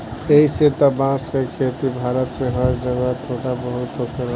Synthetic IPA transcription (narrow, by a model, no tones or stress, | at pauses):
eɦiset̪abãːskekʰeːt̪ibʱaːɾət̪mẽɦəɾd͡ʒəɡat̪ʰoːʈabəɦʊt̪okəɾ